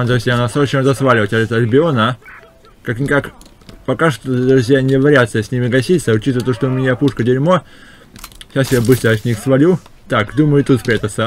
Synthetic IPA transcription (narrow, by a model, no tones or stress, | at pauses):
d̪ɾʊsʲɪjanasot͡ɕemzɐsvalʲɪvətʲaɛt̪əlʲɪbʲɪonə | kaknʲɪkak | pɐkaʂt̪od̪ɾʊsʲjanʲɪvɾʲat̪səsʲnʲimʲɪɡɐsʲit̪səʊt͡ɕit̪əət̪oʂt̪oʊmʲɪnʲapuʂkədʲɪɾʲmo | ɕasʲɪbjʲebɨsʲt̪ʲəɐsʲnʲixsvɐlʲu | t̪akd̪uməjʊt̪ut̪spɾʲat̪ət̪sə